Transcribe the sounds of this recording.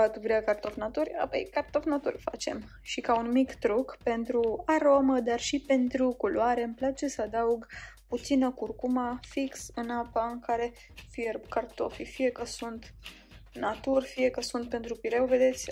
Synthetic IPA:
at̪uvɾʲiakart̪o̞fnat̪urʲa̰po̰jkart̪ofnat̪ṵrʲfa̰t͡ʃe̞̰m | ʃikaunmikt̪ɾukpe̞nt̪ɾuaɾo̞məd̪arʃipe̞nt̪ɾukulwaɾe̞ɨmplat͡ʃe̞səad̪auɡput̪sinəkurkumafiksɨnapaɨŋkaɾe̞ | fijekart̪o̞̰fifije̞kəsunt̪ | nat̪urʲfije̞kəsunt̪̚pe̞nt̪ɾupiɾewve̞d̪e̞t̪sʲ

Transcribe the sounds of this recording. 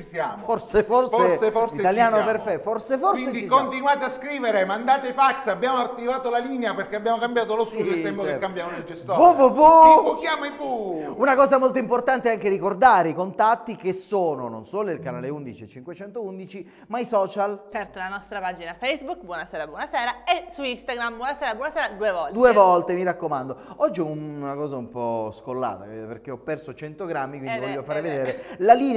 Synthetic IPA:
t͡ʃisjaːmfforseforseseforsiet̪aljaːnoperfɛforseforised̪it͡ʃkont̪inwaːt̪easkɾiːveɾemand̪aːt̪efaksabjaːmoat̪ːivaːt̪olalineaperkeabjaːmokambjaːt̪olost̪ud̪ilt̪ɛmpokekːambjaːmonelest̪ouvuvukjaːmaivuvuunakɔːzamolt̪̬oimport̪ant̪eɛaŋk̟eɾikord̪aːɾeikont̪at̪ːikesoːno̰no̰nsoːloilkana̰ːleund̪it͡ʃiet͡ʃiŋkwet͡ʃɛnt̪ound̪it͡ʃi | maisɔːt͡ʃalt͡ʃɛrt̪alanɔst̪ɾapad͡ʒinafɛjsbukbwɔnasɛːɾabwɔnasɛːɾaesuist̪aɡɾambwɔnasɛːɾabwɔnasɛːɾad̪uːevɔld̪uːevɔlt̪emiɾakːomand̪oɔd͡ʒːiɔunakɔːzaumpɔskolːa̰ːt̪a̰perk̟eɔpːɛrsot͡ʃɛnt̪oɡɾamːikwind̪ivɔʎjːofaːɾeved̪eːɾelaliːn

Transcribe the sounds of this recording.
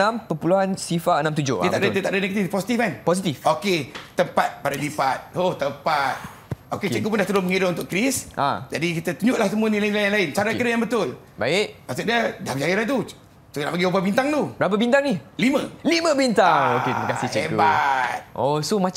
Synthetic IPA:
ãmpəpuluɦansifaʔənãmt̪̬ud͡ʒʊ̰hiət̪aʔdədət̪aʔdənɛɡət̪iposit̪ifkanpos̬it̪ifoket̪əmpat̪̚padadipat̪̚hoht̪əmpat̪̚ | okeəkup̬ʊndaht̪ulʊməŋiɾaunt̪ʊʔkɾisʔa̰d͡ʒadikit̪ət̪uɲʊʔlahsəmuanilainlajnlaɪnt͡ʃaɾakəɾajãŋbət̪ʊl | ba̰ɪʔbasuʔdədahbəd͡ʒajiɾant̪u | suna̰ʔpəɡiubabint̪aŋt̪ubəɾap̬abint̪aŋnɪlimə̃limə̃bint̪aŋokeməkasɪht͡ʃekubat̪̚ʔosomã

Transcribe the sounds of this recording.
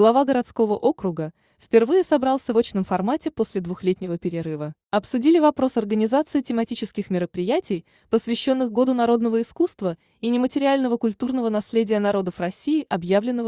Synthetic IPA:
ɡ̥lˠɐvaɡəɾɐt̪sko̞vəʔo̞kɾʊɡə | fpʲɪrvɨjɪsɐbɾɑlˠsʲəvo̞t͡ɕnəmfɐrmatʲɪpo̞sʲlʲɪd̪vʊxlʲetʲnʲɪvəpʲɪɾʲɪɾɨvə | ɐpsʊdʲilʲɪvɐpɾo̞sɐrɡənʲɪzat̪sɨɪtʲɪmɐtʲit͡ɕɪskʲɪxmʲɪɾəpɾʲɪjætʲɪj | pəsvʲɪɕːo̞nːɨxɡo̞d̪ʊnɐɾo̞d̪nəvəɪskust̪və | inʲɪmətʲɪɾʲɪalʲnəvəkʊlʲt̪urnəvənɐsʲlʲedʲɪjənɐɾo̞d̪əfrɐsʲːiɪʔɐbjavlʲɪnːəvə

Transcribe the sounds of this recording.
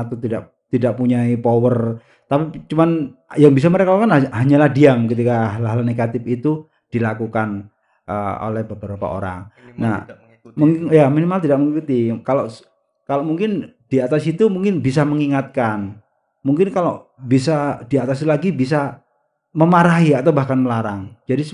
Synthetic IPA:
at̪ot̪idaʔ | t̪idaʔpuɲaipowər | t̪apit͡ʃumanjaŋbis̬aməɾekalokanɦaɲalahdiamkit̪ikaɦalɦalneɡat̪ɪfit̪u | d̥ilakukan | ʔə̰o̰lɛhbəbəɾapa̰o̰ɾa̰ŋna̰ | məŋjaminimalt̪idak̚məŋikut̪ikaloʔ | kaloʔmuŋkɪnd̥iat̪asit̪umuŋkɪnbis̬aməŋiŋat̪̚kan | muŋkɪnkaloʔbisadiat̪asilaɡibis̬a | məmaɾaɦiat̪awbahkanməlaɾaŋd͡ʒadi

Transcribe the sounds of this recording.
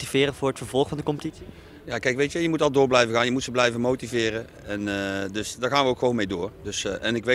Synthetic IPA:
tivɪːɾəvʊːɹətfəɹv̥ɔlˠχfɑndəkɔmpətitsi | jaːkɛjkʋejtjəjəmutɑlˠdʊːɹblɛjvəɣaːnjəmutsəblɛjvənmowtivɪːrə | ɛndɵsdaːɹɣaːnʋəokxəʋoːnmejdoːrdɵsʔɛnɪkʋe

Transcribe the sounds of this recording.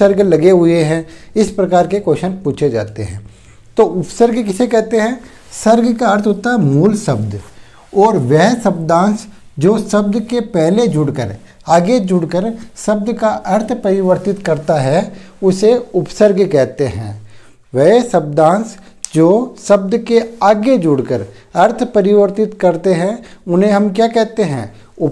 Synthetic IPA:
əɾɡlɐɡeɦʊeɦɛ̃ɪspɾɐkaːɾkekoːʃənpuːt͡ʃʰed͡ʒa̰ːt̪ḛɦɛ̰̃ː | t̪oːʔʊpsəɾɡkɪsekɛɦt̪eɦɛ̃ː | sɐɾɡkaɐɾt̪ʰɦoːt̪aɦɛmuːlsɐbd̪ | ɔːɾʋɛɦsɐbd̪ãːnsd͡ʒoːsɐbd̪kepɛɦled͡ʒʊɽkəɾ | aːɡed͡ʒʊɽkəɾsɐb̚d̪kaʔɐɾt̪ʰpɐɾɪʋəɾt̪ɪt̪kɐɾt̪aɦɛ | ʊseʊpsəɾɡkɛɦt̪eɦɛ̰̃ː | ʋɛsɐb̚d̪ãːns | d͡ʒoːsɐb̚d̪keaːɡed͡ʒʊɽkəɾ | ɐɾt̪ʰpɐɾɪʋəɾt̪ɪt̪kɐɾt̪eɦɛ̃ʊnɦẽɦɐmkjaːkɛɦt̪eɦɛ̰̃ː | ʊ

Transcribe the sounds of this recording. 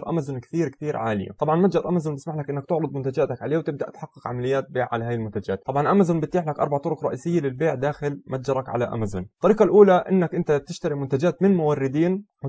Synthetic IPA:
ɾˤʔa̰mazʊnkt̪iːɾk̪iːɾʕa̰ːlɪ̰ja̰t̪ˤɑbʕɑnmad͡ʒɑɾˤʔamazuːnbɪsmaħlakʔɪnːak̚t̪ʊʕlɑd̪mʊnt̪ad͡ʒaːt̪akʕaleːwt̪ɪbd̪a̰ʔt̪ħɑqːɪqʕa̰malɪjːaːt̪̚beːʕʕa̰lahaːjalmʊnt̪ad͡ʒa̰ːt̪̚ˤɑbʕɑnʔamazuːnbɪt̪ːiːħlakʔɑ̰ɾˤbaʕt̪ˤʊɾʊkɾˤɑʔiːsɪjːalɪlbeːʕd̪aːxɪlmat̪d͡ʒɑɾˤɑkʕa̰laʔa̰mazṵnt̪ːˤɑɾiːqɑlʔuːlaʔɪnːakʔɪnt̪at̪ɪʃt̪aɾimʊnt̪ad͡ʒaːt̪mɪnmʊwɑrːɪd̪iːn

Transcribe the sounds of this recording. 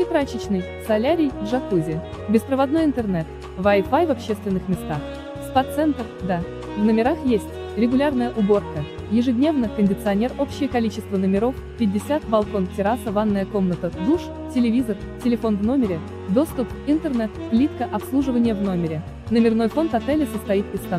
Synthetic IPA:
ɪp̪ɾat͡ɕɪt͡ɕnɨj | sɐlʲaɾʲɪjdʐɐt̪uzʲɪ | bʲɪspɾəvɐd̪no̞jɪnt̪ərnɛt̪ | vajfajvɐpɕːest̪vʲɪnːɨxmʲɪst̪ax | spat̪sɛnt̪ərd̪a | vnəmʲɪɾaxjesʲtʲ | ɾʲɪɡʊlʲarnəjəʔʊbo̞rkə | jɪʐɨdʲnʲe̞vnəkənʲdʲɪt̪sɨɐnʲe̞ro̞pɕːɪjəkɐlʲit͡ɕɪst̪vənəmʲɪɾo̞f | pʲɪdʲːɪsʲat̪bɐlˠko̞ntʲɪɾasəvanːəjəko̞mnət̪əd̪uʂ | tʲɪlʲɪvʲizər | tʲɪlʲɪfo̞nvno̞mʲɪɾʲɪ | d̪o̞st̪ʊp | ɪnt̪ərnɛt̪plʲit̪kəʔɐpslˠuʐɨvənʲɪjəvno̞mʲɪɾʲɪ | nəmʲɪrno̞jfo̞nt̪ɐt̪ɛlʲɪsəst̪ɐit̪pʲɪskɐ

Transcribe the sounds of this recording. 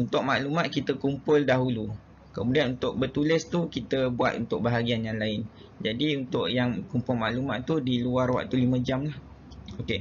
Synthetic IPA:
unt̪ʊkmaʔlumãt̪̚kit̪əkumpʊldaɦulu | kəmũdianunt̪ʊʔ̚bərt̪ulɪst̪ukit̪əbua̰t̪ṵnt̪ʊk̚baɦaɡianjaŋlaɪn | d͡ʒadiunt̪ʊʔjaŋkumpʊlmaʔlumaʔ̪t̪udiluarwa̰k̚t̪ulimə̃d͡ʒamlah | oke

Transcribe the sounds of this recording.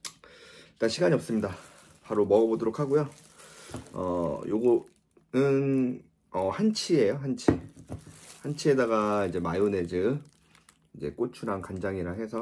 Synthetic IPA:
k͈aɕʰiɡaɲiʌp̚s͈ɯmɲida | paɾomʌɡʌbodoɾokʰaɡojo | ʌ̰joɡo | nɯn | ʌhant͡ɕʰie̞johant͡ɕʰi | hant͡ɕʰie̞daɡaid͡ʑe̞majune̞d͡ʑɯ | id͡ʑe̞̰k͈ot͡ɕʰuɾankand͡ʑaŋiɾaɦe̞sʰʌ

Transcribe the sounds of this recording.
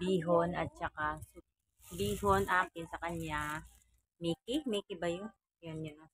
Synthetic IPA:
biːɦonɐt̪̚t͡ʃɐkasʊ | biːɦonʔaːpɪnsɐkɐɲja | mɛkɪmɛkɪbɐjʊn | jonjon

